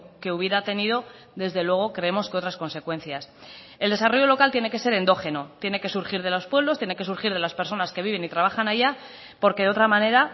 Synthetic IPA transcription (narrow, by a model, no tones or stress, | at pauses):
ke̞uβ̞je̞ɾat̪e̞niðo̞ | ðe̞zðe̞lwe̞ɣ̞o̞kɾe̞emo̞skeo̞t̪ɾasko̞nse̞kwe̞nθjas | e̞ld̪e̞saro̞ʝo̞lo̞kalt̪je̞ne̞ke̞se̞ɾe̞nd̪o̞xe̞no̞t̪je̞ne̞ke̞suɾxiɾð̞e̞lo̞spwe̞βlo̞st̪je̞ne̞ke̞suɾxiɾðe̞laspe̞ɾso̞naske̞β̞iβe̞nit̪ɾaβ̞axanaʝa | po̞ɾke̞ðo̞t̪ɾamãne̞ɾa